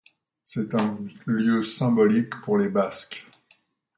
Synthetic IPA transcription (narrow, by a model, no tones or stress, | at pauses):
sɛt̪ɛ̃ljøsɛ̃bɔlikpuʁlebask